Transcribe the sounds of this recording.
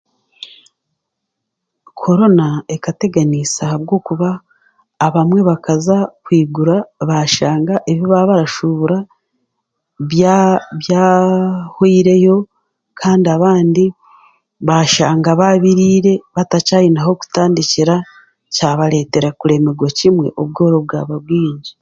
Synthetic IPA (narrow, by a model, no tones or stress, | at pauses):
kʰo̞ɾo̞nae̞kate̞ɡanisahaβɡo̞ːkuβaː | βamwe̞βakazakwiːɡuɾaβaʃaːŋɡaʔeβoβaβaɾaʃuβuɾa | ββjaːhwiːɾe̞jo̞ | kʰaːndiaβaːndi | βaʃaːŋɡaβaβiɾiːɾe̞βatacajinaɦo̞ku̥taːndiciɾa | caβaɾe̞ːte̞ɾakuɾe̞me̞ɡwocimwe̞̰ʔoβɡo̞ːɾo̞βɡa̰ːβaβɡiːɲɟi